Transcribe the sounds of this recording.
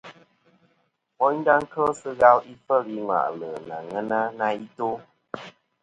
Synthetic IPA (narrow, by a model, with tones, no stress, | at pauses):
ɔ˦ɲ˦da˦ŋ̩˦kʰə˦sɨ˦ɣa˧˦wi˦fə˦˨ɾi˦ŋwa̰˨ʔlə˨na˨ŋə˦na˦na˧i˦to˦